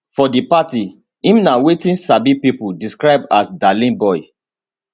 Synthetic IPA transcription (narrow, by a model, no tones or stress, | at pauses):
fɔdipati | ĩmnawetĩnsabipipudiskɹaɪb̚asdalĩnbɔɪ